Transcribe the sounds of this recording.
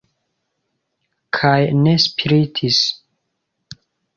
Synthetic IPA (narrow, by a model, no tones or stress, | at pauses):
kʰajne̞spʰiɾitʰis